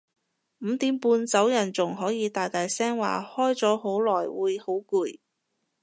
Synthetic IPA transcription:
m̩˨˧t̪iː˨˥mpuː˧nt͡sɐ˨˥wjɐ˨˩nt͡sʊ˨˩ŋɦɔː˨˥jiː˨˧t̪aː˨jt̪aː˨jsɛː˥ŋwa̰ː˨hɔː˥jt͡sɔː˨˥ho˨˥wlɔː˨˩jwuː˨˧jho˨˥wkuː˨˧j

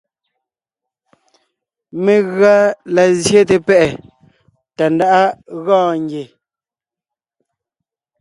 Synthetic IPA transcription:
me˨ɣɰa˦la˨zje˦t̬e˨pɛ˦ʔɛ˨ | ta˨n˦da˦ʔa˦ɣɔ̃ː˦˨ŋɡje˨

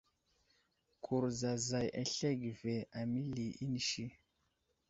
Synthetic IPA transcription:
kʰu˨ɾza˨za˨jʔa̰˨ɬe˦ɡi˨ve˨a˨mi˦li˨i˦ni˨ʃi˦

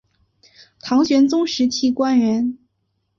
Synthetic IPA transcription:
t̪ʰɑ˧˥ŋɕɥɛ˧˥nt͡sʊ˥ŋʂɻ̩˧˥t͡ɕʰi˥˩kwa˥nɻə˧˥n

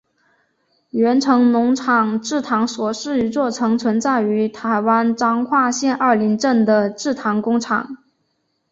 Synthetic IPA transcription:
ɥɛ˧˥nʈ͡ʂʰɤ˧˥ŋnʊ˧˥ŋʈ͡ʂʰɑ˨˩ŋʈ͡ʂɻ̩˥˩t̪ʰɑ˧˥ŋswɔ˨˩ʂɻ̩˥˩y˧˥t͡swɔ˥˩ʈ͡ʂʰɤ˧˥ŋt͡sʰwə˧˥nt͡sa˥˩ɪy˧˥t̪ʰa˧˥ɪwa˥nʈ͡ʂɑ˥ŋxwa˥˧ɕjɛ˥˧nʔə˞˥˩li˧˥ŋʈ͡ʂə˥˩nd̪ə˩ʈ͡ʂɻ̩˥˩t̪ʰɑ˧˥ŋkʊ˥ŋʈ͡ʂʰɑ̰˨˩˦ŋ

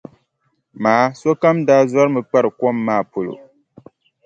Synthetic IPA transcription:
maː˨˦so˦ka˦mdaː˦zɔ˦ɾɨ˦mɨ˨k͡pa˦ɾɨ˨kɔ˦mːaː˦˨po˨lo̰˨

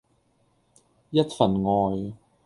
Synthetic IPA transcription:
jɐ˥t̚fɐ˨˩nŋɔː˨j

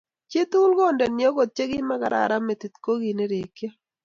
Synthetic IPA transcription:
t͡ʃe˦t̪u˦lɡo˦˨ndɛ˨nɪ˨ɔ˦ɡo˨t̪̚t͡ʃe˦ɡɪ˦ma˦ɡa˨ɾa̰˨ɾa˦me˨t̪i˨t̪ko˦ɡi˨ne˦ɾe˨kja˦

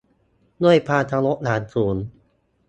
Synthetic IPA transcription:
du˥˩əjpʰaː˧nt̪ʰaː˧ŋlo˦˥k̚laː˩˦nsuː˩˦n

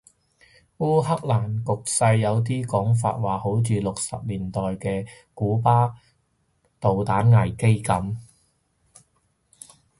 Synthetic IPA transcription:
wuː˥ɦɐ˥k̚laː˨˩nkʊ˨k̚sɐ˧jːɐ˨˧wt̪̬iː˥kɔː˨˥ŋf̬a̰ː˧t̚waː˨ho˨˥wt͡ʃyː˨˧lʊ˨k̚sɐ̰˨p̚liː˨˩nt̪ɔː˨jkɛː˧ | kuː˨˥paː˥ | t̪o˨wt̪aː˨˥nŋɐ˨˩jke˥jkɐ˨˥m

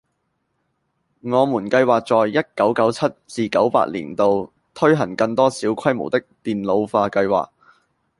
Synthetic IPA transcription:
ŋɔː˨˧muː˨˩nkɐ˧jwaː˨k̚t͡sɔː˨jːɐ˥t̚kɐ˨˥wkɐ˨˥wt͡sʰɐ˥t̚t͡siː˨˧kɐ˨˥wpa̰ː˧˥t̚lḭː˨˩nt̪o˧w | t̪ʰɵ˥ɥɦɐ˨˩ŋkɐ˧ŋt̪ɔː˥siː˨˥wkʷʰɐ˥jmo˨˩wt̪ɪ˥k̚t̪iː˨nlo˨˧wfaː˧kɐ˧jwa̰ː˨˩k̚

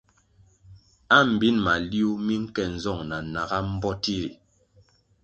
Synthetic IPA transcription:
a˦m̩˨bi˦nma˨li˦u˦mi˦ŋ̩˦kɛ˨n̩˨zɔ˦˨ŋna˨na˨ɣa˦m̩˦bɔ˦ti˦ɾi˨

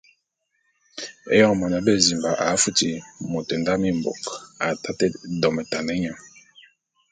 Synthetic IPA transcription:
ɛ̰˦jɔ˦ŋ˨mɔ˨na˨˦bɛ˦˨zi˨mba˨ʔa˨˦fu˦ti˨mo˨tɛ˨nda˦mi˦˨m˨bo̰˨ka˨ta˦tɛ˦dɔ˨mɛ˨ta˨nɛ˦ɲa˨m

